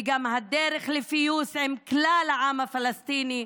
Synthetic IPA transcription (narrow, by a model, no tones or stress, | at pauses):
ɡamhad̪eʁeχlefijushemklalhaʕamhafalast̪ini